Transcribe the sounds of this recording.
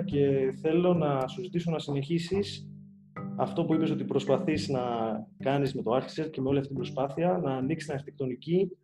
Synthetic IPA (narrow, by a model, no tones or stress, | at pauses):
ce̞θe̞lo̞nɐsuzit̪iso̞nɐsine̞çisis | ɐft̪o̞puipeo̞t̪ipɾo̞spɐθiznɐkɐnizme̞t̪o̞ɐɾçi̥set̪̚ce̞me̞o̞liɐft̪it̪ibɾo̞spɐθiɐnɐːniksi̥snɐɾçit̪ekt̪o̞nici